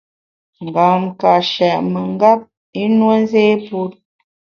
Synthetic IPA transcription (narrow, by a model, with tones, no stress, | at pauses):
ŋ˨ɡa˨mka˨ʃɛ˨ʔmə˨ŋ˦ɡa˦p̚ | i˦nwə˦n˦zeː˦pu˦t̚